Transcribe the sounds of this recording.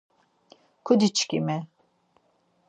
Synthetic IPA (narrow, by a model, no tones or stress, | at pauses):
kʰud̪it͡ʃʰkḭmɛ